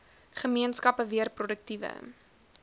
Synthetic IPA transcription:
χəmiənskɐpəviərprodək̚tivə̰

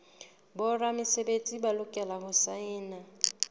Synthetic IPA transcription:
bʊramɪsebet͡sʼibalʊkʼɛlaɦʊsaɪːna

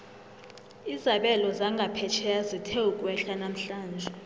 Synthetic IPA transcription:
izaɓɛlɔzaŋɡʱapʰɛt͡ʃʰɛazitʰɛukʼwɛɬanam̩ɬaːnd͡ʒʱɛ

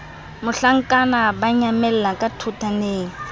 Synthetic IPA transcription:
mʊɬaŋ̩kʼanabaɲamɛlɛlakʼatʰutʰaneːŋ̩

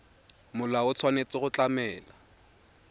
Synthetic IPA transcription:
mʊlaʊt͡sʰwanet͡sɪχʊt͡ɬʼamɛːla

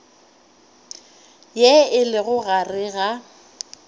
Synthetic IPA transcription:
jɛɪlɪɣʊɣarɪɣa

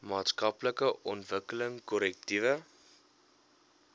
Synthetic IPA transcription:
mɑːtskɐpləkəʔɔntvəkələŋkɔɾɛk̚tivə

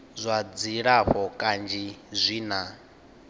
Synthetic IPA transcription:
zʷad͡ziɺaɸɔkʼand͡ʒizʷiːna

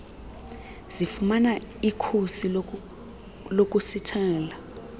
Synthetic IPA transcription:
z̥ifumanaikʰusi | lok̬ʼusitʰɛːla

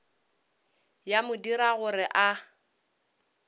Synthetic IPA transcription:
jamʊdiɾaɣʊɾɪʔa

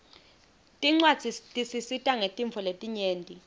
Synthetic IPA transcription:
tʼiŋ͡ǀwḁd͡z̥ʱitʼisisitʼaŋetʼiɱfʰɔletʼiɲeːntʼi

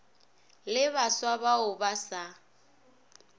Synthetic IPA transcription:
lɪβaswabaʊbasa

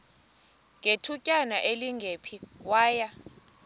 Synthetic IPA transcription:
ŋʱetʰucʼanaʔeliŋɡʱepʰiwaːja

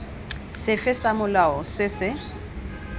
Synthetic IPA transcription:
sɪfɪsamʊlaɔsɪsɪ

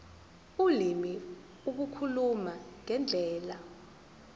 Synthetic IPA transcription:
ulimi | uk̬ukʰulumaŋɛnd͡ɮʱɛːla

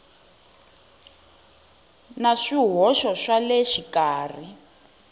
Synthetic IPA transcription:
naʂiɦɔʃɔʃalɛʃikaːri

